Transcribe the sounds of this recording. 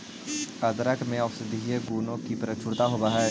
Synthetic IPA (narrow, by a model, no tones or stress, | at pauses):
ɐd̪ɾəkmẽɔfsɪd̪ieɡuːnõkipɾət͡ʃʰʊɾt̪aɦobaɦəɾ